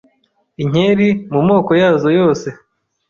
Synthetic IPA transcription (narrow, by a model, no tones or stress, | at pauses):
iɲ̥eɾimumo̞ːko̞jaːzo̞jo̞ːse̞